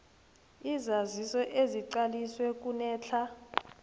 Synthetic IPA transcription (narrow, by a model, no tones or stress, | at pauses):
izazisɔʔeziǀaliswɛk̬ʼunɛːt͡ɬʰa